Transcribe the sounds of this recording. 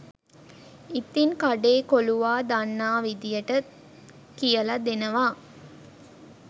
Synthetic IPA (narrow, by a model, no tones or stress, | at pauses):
it̪inkaɖeːkoluʋaːd̪anːaːʋid̪ijəʈə | kijəlad̪enəʋaː